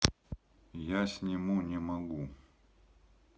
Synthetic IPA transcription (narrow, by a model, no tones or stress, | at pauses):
jasʲnʲɪmunʲɪmɐɡu